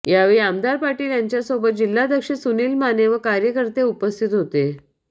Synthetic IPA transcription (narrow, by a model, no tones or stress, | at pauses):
jaʋeɭiamd̪aɾpaɾʈiːljaɲt͡ɕjasobət̪̚d͡ʑilːad̪ʱəkʂəsuniːlmaneʋəkaɾjəkəɾt̪eupəst̪ʰit̪ɦot̪e